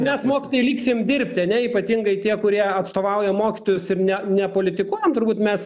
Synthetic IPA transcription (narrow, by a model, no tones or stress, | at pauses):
mʲɛsmoːkʲɪt̪oːjɛlʲiːksʲɪmd̪ʲɪɾʲpʲt̪ʲɪɐnʲɛiːpɐt̪ʲɪŋɡɐɪt̪ʲiɛkʊɾʲiɛɐt̪st̪oːʋɐʊjɛmoːkʲɪt̪oːjʊsɪɾnʲɛnʲɛpoːlʲɪt̪ʲɪkuɔjɛmt̪ʊɾbuːt̪mʲɛs